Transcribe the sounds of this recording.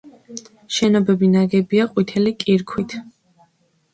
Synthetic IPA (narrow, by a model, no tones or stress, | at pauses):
ʃɛnɔbɛbinaɡɛbiaqʼwit̪ʰɛlikʼiɾkʰwit̪ʰ